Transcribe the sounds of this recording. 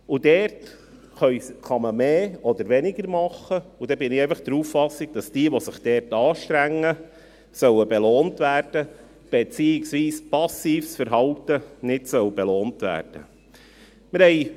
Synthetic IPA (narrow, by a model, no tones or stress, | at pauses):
udɛrt | χœʏχɑməmeːɔd̪əɾʋɛnɪɡəɾmɑχːəud̥ɛbɪnɪɛɪfɑχd̥əɾuːffɑsːɪɡ̥̚d̥ɑsd̥iəʋɔsɪχd̥ɛrtɑːʃtɾæŋːə | sœwəbeloːntʋæːrd̥ə | b̥ɛt͡siːɪksʋiːspɑsiːfsfəɾɦɑltənɪtsœwb̥eloːntʋæ̰ːrd̥ə̰ | mɪɾhɛɪ